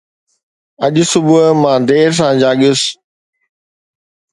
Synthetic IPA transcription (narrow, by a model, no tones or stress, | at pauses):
ɐʄʊ̆sʊbʊmãːd̪eːɾs̬ãːd͡ʑaːɠijʊs